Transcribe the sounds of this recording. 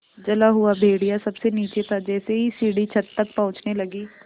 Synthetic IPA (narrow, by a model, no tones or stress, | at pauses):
d͡ʒɐlaɦʊabʱeːɽijasɐbseniːt͡ʃet̪ʰad͡ʒɛːseɦisiːɽit͡ʃʰɐt̪ːək̚pɔ̃ɦʊ̃t͡ʃnelɐɡiː